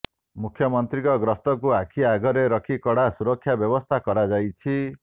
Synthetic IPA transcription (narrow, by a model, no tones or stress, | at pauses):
mukʰjɔmɔnt̪ɾikɔɡɾɔst̪ɔkuakʰiaɡɔɾeɾɔkʰikɔɽasuɾɔkʰːjabjɔbɔst̪ʰakɔɾad͡ʒajt͡ʃʰi